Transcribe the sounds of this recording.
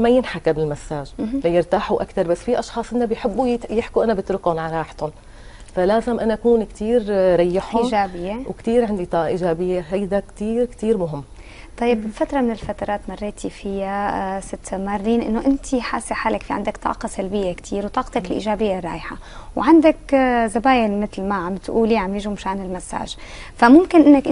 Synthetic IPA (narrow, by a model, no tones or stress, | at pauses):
majɪnħakabɪlmasːaːʒlajɪɾt̪aːħuʔakt̪ɑɾˤbasːfiʔɑʃxɑːsˤʔɪnːabjħɪbːujɪħkuʔanabɪt̪ɾʊkʊnʕaɾˤɑːħt̪ʊn | falaːzɪmʔanaʔakuːnkt̪iːɾɾˤɑjːɪħiːʒaːbɪjːewkt̪iːɾʕand̪it̪ˤɑːʔɑʔiːʒaːbɪjːeɦajd̪akt̪iːɾkt̪iːɾmʊɦɪmː | t̪ˤɑjːɪbɪlfat̪ɾˤɑmɪnɪlfat̪ɑɾˤɑːt̪mɑrˤːeːt̪ʰifɪjasɪt̪ːmarˤːiːnʔɪ̰nːoʔɪnt̪ʰiħa̰ːsːeħaːlakfiʕa̰nd̪akt̪ˤɑ̰ːqɑsalbɪjːekt̪ʰiːɾwt̪ˤɑːqt̪ɑkɪlʔḭːʒaːbɪjːarˤːɑ̰ːjħawʕand̪akzabaːjɪlmɪt̪lmaʕamt̪ʔṵːliʕamjɪʒumʊʃaːnɪlmasːa̰ːʒfamʊmkɪnʔɪnːakʔ